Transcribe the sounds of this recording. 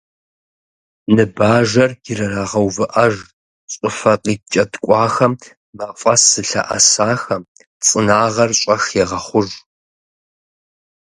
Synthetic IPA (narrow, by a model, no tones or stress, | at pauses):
nɨbaːʒɐrɡɪɾɐraːʁɐwvɨʔɐʒ | ɕʼɪfɐqʼiːt͡ʃʼɐtkʷʼɑːxɐm | mɐfʷʼɐsɨɬɐ̰ʔɐ̰saːxɐm | t͡sʼɨnaːʁɐrɕʷʼɐxeʁɐχʷʊʒ